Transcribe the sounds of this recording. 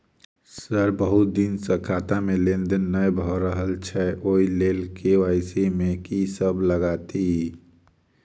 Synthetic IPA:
səɾbəɦut̪̚d̪insəkʰat̪amelend̪ənːəjbʱɔɾəɦəlt͡ʃʰɛʔoilelkeaɪsimekisəbləɡat̪i

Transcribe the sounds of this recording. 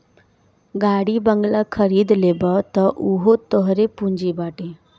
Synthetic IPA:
ɡaːɽibəŋɡlakʰəɾiːd̪leːbɔt̪ɔʔuɦot̪ɔɦɾepũɲd͡ʒibaːʈẽ

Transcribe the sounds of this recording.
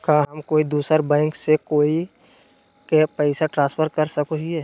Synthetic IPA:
kaːɦɐmkoːid̪uːsəɾbɛ̃ːŋksekoːi | kepːɪsaʈɾãːnspʰəɾkəɾsɐkoɦieː

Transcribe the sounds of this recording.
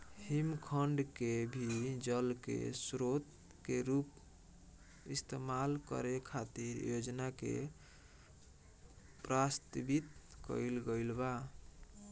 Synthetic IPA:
himkʰəɳɖkebʱid͡ʒəlkḛsɾot̪ | keɾup | ist̪emalkə̰ɾekʰat̪iɾjod͡ʒnakḛ | pɾast̪bit̪kə̰ilɡəlba

